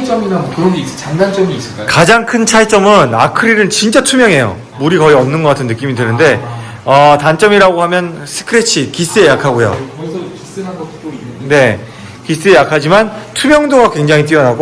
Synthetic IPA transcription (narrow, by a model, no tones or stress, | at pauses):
t͡ɕ͈ʌminamokɯɾʌŋɡeis͈t͡ɕaŋdant͡ɕ͈ʌɡiːs͈ɯk͈akad͡ʑaŋkʰɯnt͡ɕʰaɭt͡ɕ͈ʌmɯna̰kʰɯɾiɾɯɭt͡ɕint͡ɕ͈atʰumjʌŋɦe̞jo̰ | muɾikʌiʌmnɯnɡʌk͈atʰɯnːɯk͈imidwenɯnde̞ | ʌtant͡ɕ͈ʌmiɾaɡoɦamjʌnsʰɯ̥kʰɯɾet͡ɕʰikis͈ɯe̞jakʰaɡojo̰is͈ɯaɡʌone̞ | kis͈ɯe̞jakʰad͡ʑimantʰumjʌŋdoɡakwe̞ŋd͡ʑaŋit̬͈iʌnaɡo